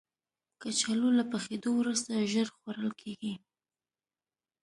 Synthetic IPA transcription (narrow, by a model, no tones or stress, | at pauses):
kat͡ʃalolapaxed̪owɾust̪aʒəɾxwaɾəlkʰeɡi